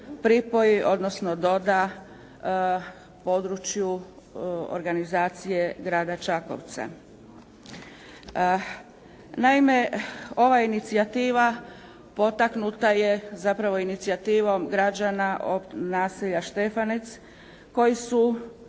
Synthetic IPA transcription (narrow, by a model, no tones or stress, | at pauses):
pɾipo̞jiʔo̞d̪no̞sno̞d̪o̞d̪a | po̞ːd̪ɾut͡ʃju | o̰ɾɡanizaːt̪sije̞ɡɾaːd̪at͡ʃako̞̰ʋt̪sa̰ | naime̞o̞ʋainit̪siat̪iːʋa | po̞t̪aknut̪aje̞zapɾaʋo̞init̪siat̪iːʋo̞mɡɾad͡ʒanaʔonaːsiʎaʃt̪e̞fanet̪s | ko̞jisu